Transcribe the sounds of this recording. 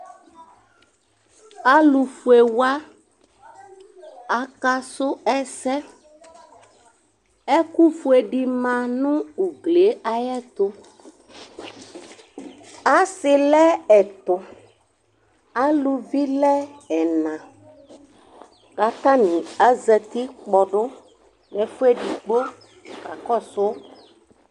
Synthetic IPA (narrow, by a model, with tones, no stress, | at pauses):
a˦lu˨fu˨e˨wa˦ | a˨ka˦sʊ˦ɛ˦sɛ˦ | ɛ˦ku˦fu˨e˨ɖi˨mã˨nũ˦u˨ɡle˨˦a˦jɛ˦t̪ʊ˦ | a˦sɪ˨lɛ˦ɛ˨t̪ʊ˨ | a˦lu˨vi˦lɛ˦ɛ˨nã˨ | ɡa˨t̪a˦nĩ˨a˦zɛ˨t̪i˦k͡pɔ˨ɖʊ˦ | nɛ˨fu˦e˦ɖi˨ɡ͡bo˦ | ka˨kɔ˦sʊ˦